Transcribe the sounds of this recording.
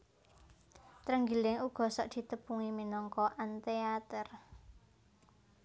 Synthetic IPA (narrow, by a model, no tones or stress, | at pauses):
t̪ɾəŋɡilɪŋuɡ̥ɔ̤sɔʔd̪̥i̤t̪əpuŋiminɔŋkɔʔant̪eat̪ər